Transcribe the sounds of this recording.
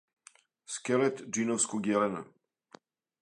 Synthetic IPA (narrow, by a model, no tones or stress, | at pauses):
skɛlɛt̪d͡ʒinofskuɡjɛlɛna̰